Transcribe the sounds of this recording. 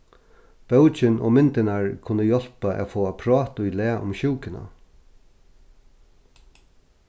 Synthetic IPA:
b̥œʊt͡ʃɪnʔo̰ːmɪnt̪ɪnaɹkʰʊnːəjɔl̥paʔɛ̰foːapʰɾɑːt̪ʊjlɛːʔʊ̰mɕuːkɪna̰

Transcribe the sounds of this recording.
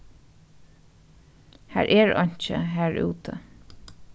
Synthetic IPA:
hæ̰ːɹʔɛɹɔ̰ɲ̥t͡ʃə̰ɦæːɹʉṵːt̪ʰə

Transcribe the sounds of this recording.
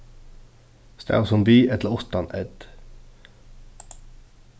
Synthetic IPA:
st̪æ̰ːosɔmbyːʔɛt̪ləʊst̪ɑnɛd̪̥

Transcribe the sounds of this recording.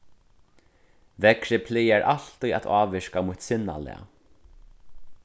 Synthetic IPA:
vɛkɾɪpʰlɪjaɹʔal̥t̪uja̰t̪aːʋɪɹkamuːt̪sɪnːa̰lɛ̰a̰

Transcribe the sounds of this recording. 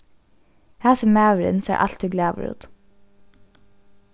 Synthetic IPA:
hæːsəmæːʋɾɪ̰nsḛːʔɑ̰l̥t̪hʉːɡlæːʋə̰ɾṵːt̪

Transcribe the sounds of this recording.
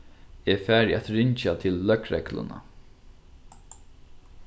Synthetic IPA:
ɛfæːɹjɛt̪ɾɪɲt͡ʃat̪ʰɪlːœkɾɛklʊ̰na̰

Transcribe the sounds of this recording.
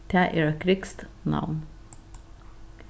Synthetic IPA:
t̪ʰæːʔɪkɾɪkst̪nɑ̰ʋn

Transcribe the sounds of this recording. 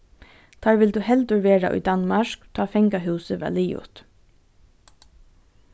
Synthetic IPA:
d̪̥ʰɑːɹʋɪld̪ʉːhɛld̪ʉɹʋeːɹɑ̰ʔḭːd̪ɑnmɑʃkt̪ʰɑːfɛŋɡɑhʉːsəʋḛːliːʊ̰t̪

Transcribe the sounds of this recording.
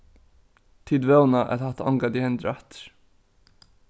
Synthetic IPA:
t̪ʰiːd̪vɛwnaʔɛ̰t̪haht̪aɔ̰ŋkat̪ihɛnt̪ɾaht̪ɾ̥

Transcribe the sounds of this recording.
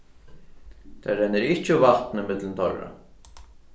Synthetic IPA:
t̪ʰa̰ɾɛnːɪɾɪht͡ʃɪʊvat̪nɪmɪt̪lɪnt̪ʰɔrːa̰

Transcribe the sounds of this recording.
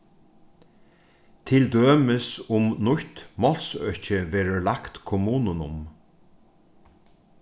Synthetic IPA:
t̪ʰɪld̪øːməsʊmnʊçt̪mɔlsœ̰çəʋɛːɹəɹlakt̪kʰɔmuːnənʊm

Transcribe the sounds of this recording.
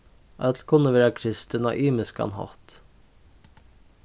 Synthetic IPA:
ʔœt̪lkʰʊnəʋeːɾɑkʰɾɪst̪ənɑ̰ʔiːməskɑ̰nhɑ̰t̪

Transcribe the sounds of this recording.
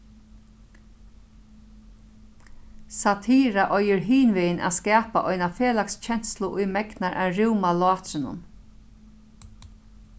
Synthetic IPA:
sat̪ʰiːɾaʔɔjɪɾɦiːnʋɪjənʔa̰ːskæːpaʔɔjnafeːlakst͡ʃʰɛn̥t̪slʊʔʊjmɛknaɾʔa̰ːɾɪwmalʊɑːt̪ɾɪnʊ̰n

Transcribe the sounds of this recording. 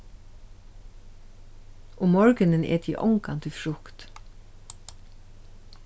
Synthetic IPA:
ʊmɔɹkɪnɪnɛ̰ːt̪ʰḭːʔɔ̰ŋkant̪ʰɪfɹʊkt̪

